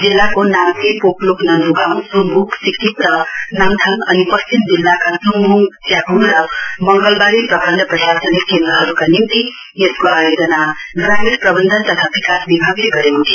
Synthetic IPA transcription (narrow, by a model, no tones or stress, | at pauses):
d͡zilːakonamsipoploknʌnd̪uɡawnsunbʱuksikʰːipt̪ʌnaŋt̪ʰʌŋʌnipʌst͡ʃimd͡ʒilːakasuŋbuŋsjakunɾʌmʌŋɡəlbaɾipɾʌkʌnd̪ʱʌpɾʌsasənikʰːend̪ɾʌɦʌɾukanimt̪i | jeskoajod͡ʒʌnaɡɾamiɾpɾʌbʌnd̪ʱənt̪ʌt̪ʰabikasbibʱaɡleɡʌɾẽt̪ʰi